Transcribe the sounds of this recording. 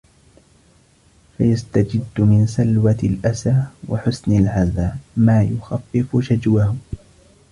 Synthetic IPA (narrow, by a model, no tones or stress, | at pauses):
fajast̪ad͡ʒɪd̪ːmɪnsalwalʔasaːwaħʊsnalʕazaːmaːjʊxafːɪfʊʃad͡ʒwahʊ